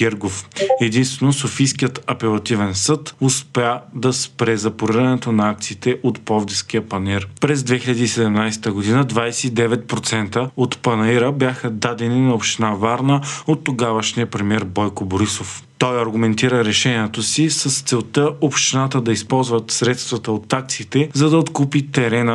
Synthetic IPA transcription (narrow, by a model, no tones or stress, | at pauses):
ɡɛɾɡofɛd̪inst̪vɛnosofijskijət̪ɐpɛlˠɐt̪ivɛnsɤt̪ʊspɛad̪ɐspɾɛzɐpoɾiɾɐnɛt̪onɐak̚t̪siːt̪ɛʔot̪pɔvd̪iskijəpɐniɾpɾɛzd̪vɛxiʎʲɐd̪iːsɛd̪ɛmnajst̪əɡod̪inəd̪vajsɛid̪ɛvɛt̪̚pɾot̪sɛnt̪əot̪pɐnɐiɾəbʲjaxəd̪ad̪ɛninɐopʃt̪inavaɾnəot̪ːoɡavəʃniəpɾɛmiɛɾbɔjkoboɾisoft̪ɔjɐɾɡʊmɛnt̪iɾəɾɛʃɛniɛt̪osisəst̪sɛlˠt̪əopʃt̪inat̪əd̪ɐispɔlˠzvət̪sɾɛt̪st̪vɐt̪əot̪ak̚t̪siːt̪ɛzɐd̪ɐot̪kupit̪ɛɾɛnə